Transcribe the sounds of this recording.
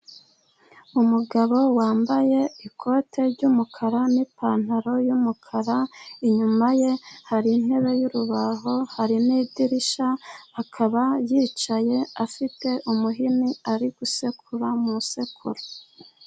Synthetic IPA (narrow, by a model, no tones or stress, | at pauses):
umuɡaβo̞waːmbaje̞ikʰo̞ːtʰe̞ɾɟumukʰaɾanipʰan̥haɾo̞jumukʰaɾaiɲumaje̞haɾin̥he̞βe̞juɾuβaɦo̞haɾiniːdiɾiʃaːkʰaβajiːt͡ʃaje̞afite̞ʔumuɦiniaɾiɡ̥use̞kʰuɾamuuse̞kʰṵɾo